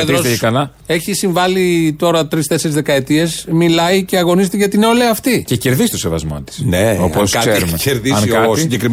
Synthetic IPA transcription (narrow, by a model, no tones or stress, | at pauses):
ðosekɐlɐ | e̞çisiɱvɐlit̪o̞ɾɐt̪ɾist̪e̞seɾizðekɐe̞t̪ie̞zmilɐice̞ɐɣo̞nizet̪eʝɐt̪ineo̞leɐft̪icece̞ɾðisi̥st̪osevɐ̰zmɐ̰t̪i̥sneo̰poskɐseɾɾumeceɾðiɐksiɲɟekɾim